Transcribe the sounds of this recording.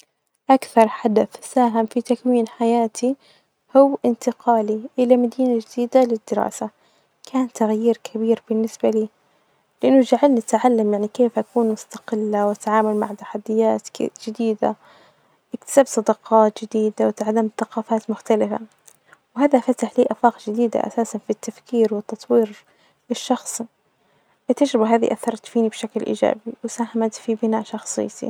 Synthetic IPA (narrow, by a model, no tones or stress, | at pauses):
ʔakθɑɾˤħad̪aθsaːɦɪmfit̪akwiːnħajaːt̪ʰi | hʊwːʔɪnt̪ɪqɑːliʔɪlamad̪iːnad͡ʒɪd̪iːd̪alɪd̪ːɪɾɑ̰ːsa | kʰaːnt̪aɣjiːɾkʰabiːɾbɪnːɪsbaliː | lɪʔɪnːʊd͡ʒaʕalnɪt̪ʕalːamjaʕnikeːfʔakuːnmʊst̪aqɪlːawʔat̪ʕaːmʊlmaʕt̪ḁħad̪ːɪjaːt̪d͡ʒɪd̪iːd̪a̰ | ʔɪkt̪ɪ̥saːbsˤɑd̪ɑqɑːt̪d͡ʒɪd̪iːd̪awɪt̪aʕalamθɑqɑːfaːt̪mʊxt̪alɪfa̰ | wɦaːðafat̪aħliːʔafɑːqd͡ʒɪd̪iːd̪a̰ʔa̰saːsanfit̪ːafkiːɾwɪt̪ːɑt̪ˤwiːɾ | ɪʃːɑxsˤi | ʔɪt̪ːad͡ʒɾɪbaɦaːðḭʔaθːɑɾˤt̪fiːnibʃaklʔḭːd͡ʒa̰ːbiwɪsaːhamat̪fibɪnaːʔʃɑxsˤɨ̰jːt̪ḭ